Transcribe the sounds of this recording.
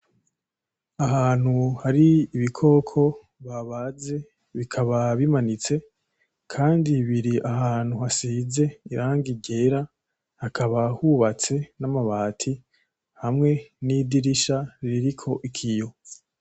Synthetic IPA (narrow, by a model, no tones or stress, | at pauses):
aɦaːn̥huhaɾiːβikʰo̞kʰo̞ | βaβaːze̞ | βikʰaβaβimanit͡se̞ | kʰaːndiβiɾiʔahaːn̥huhasiːze̞iɾaːŋɡiɟe̞ɾa | hakʰaβahuβat͡se̞namaβaːtʰi | hamŋe̞nidiɾiʃaɾiɾikʰo̞ʔikʰijo̞